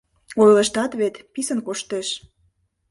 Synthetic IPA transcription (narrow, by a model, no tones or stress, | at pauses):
ojləʃt̪ɑt̪βet̪pisənkoʃt̪eʃ